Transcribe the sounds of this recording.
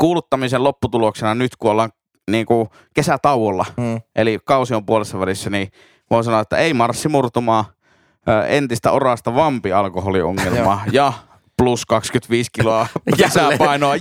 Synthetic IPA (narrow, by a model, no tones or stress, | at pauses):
kuːlut̪ːɑmisellopːut̪uloksenɑnyt̪kuolːɑŋ | niːŋku | kesæt̪ɑuwˑolːɑʔelikɑˑusiompuolesːɑʋælisːæni | ʋoˑisɑnoet̪ːæ̰eˑimɑrsːimurt̪umɑː | əːent̪ist̪æ̰orɑst̪ɑʋɑmpiɑlkoholio̰ŋːelmɑjɑ | pluskɑkskyt̪ʋiːskiloɑkisæpɑˑinoɑ